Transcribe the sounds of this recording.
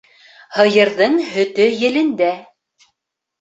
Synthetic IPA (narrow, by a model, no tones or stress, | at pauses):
hɤ̆jɤ̆ɾðɤɴɦɵ̆t̪ɵjɘ̆lɘ̆nd̪æ